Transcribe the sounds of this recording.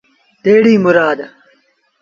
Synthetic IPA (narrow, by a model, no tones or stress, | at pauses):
d̪̥eːɽiːmʊɾaːd̪ɐ